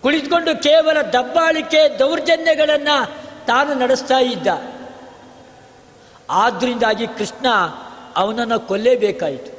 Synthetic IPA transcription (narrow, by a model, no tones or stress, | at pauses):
kuɭit̪uko̞ɳɖukɛːʋɐlɐd̪ɐbːaːɭiked̪ɐwɾɐd͡ʒɐnjɐɡɐɭɐnːɐt̪aːnunɐɽest̪aːjid̪ːɐ | aːd̪ːɐɾind̪aːɡikɾiʂɳɐɐʋɐnɐnːukolːeːbɛːkaːjit̪u̥